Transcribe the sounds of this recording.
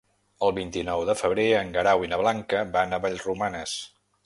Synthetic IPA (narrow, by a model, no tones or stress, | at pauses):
əlˠβint̪inɔwðəfəβɾeəŋɡəɾawinəβlaŋkəbanaβaʎzrumanəs